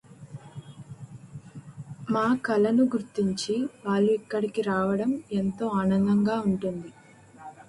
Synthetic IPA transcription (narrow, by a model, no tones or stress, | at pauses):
maːkɐlɐnuɡuɾt̪ːiɲt͡ʃiʋaːlːuikːɐɽikiɾaːʋɐɽɐme̞nt̪o̞ːaːnɐnd̪ɐŋɡaːuɳʈund̪i